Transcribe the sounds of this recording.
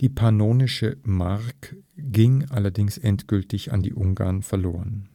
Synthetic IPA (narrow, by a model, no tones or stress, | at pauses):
d̥iːpʰanoːnɪʃəmaʁkɡ̥ɪŋʔalɐdɪŋsʔɛntɡ̥ʏltɪça̰ndḭːʔʊŋɡa̰ːɐnfɛɐloːʁən